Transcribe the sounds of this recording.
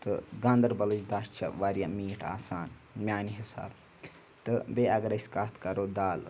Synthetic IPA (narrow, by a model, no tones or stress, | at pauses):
t̪ɨɡɐ̃nd̪ɐɾbɐlɨd͡ʒd̪aːʃt͡ʃʰɐ̰ʋaːɾjaːmiːʈʰa̰ːsaːnmʲjaːniɦisa̰ːb | t̪ɨbeɐɡɐɾɐsʲkaːt̪ʰkɐɾoːd̪aːl